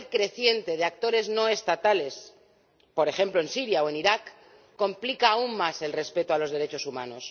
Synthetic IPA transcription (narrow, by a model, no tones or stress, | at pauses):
lkɾe̞θje̞nt̪e̞ð̞eak̚t̪o̞ɾe̞zno̞e̞st̪at̪ale̞s | po̞ɾe̞xe̞mplo̞e̞nsiɾjaoe̞niɾakː | o̞mplikaːumːase̞lre̞spe̞t̪oalo̞zðeɾe̞t͡ʃo̞sumãno̞s